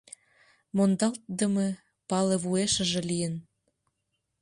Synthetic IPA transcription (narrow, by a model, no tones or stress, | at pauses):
mond̪ɑlt̪̚d̪ə̆me | pɑleβueʃə̆ʒĕlijən